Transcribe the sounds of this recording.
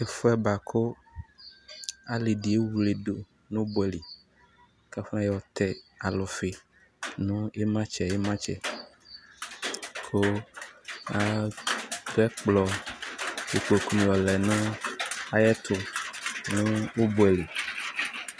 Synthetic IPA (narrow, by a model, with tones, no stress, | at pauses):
e˨fʊ˦ɛ˦ba˨kʰo˦ | a˨li˨ɖi˨e˦wu˨le˨ɖo˨ | nũ˦bo˨ɛ˨li˨ | ka˦fnã˦jɛ˦wɔ˨t̪ʰɛ˨a˨lɔ˨fe˨ | nũ˦e˦mã˦t͡ʃɛ˨je˦mã˦t͡ʃɛ̰˨ | kʰo˦ | a˦ | d̪o˦ɛ˦k͡plɔ˨ | e˨k͡po˨ku˦nĩ˨wɔ˨lɛ˨nʊ̃˦a˨jɛ˦t̪ʰʊ˨nũ˦wo˦bo˨ɛ˨li˨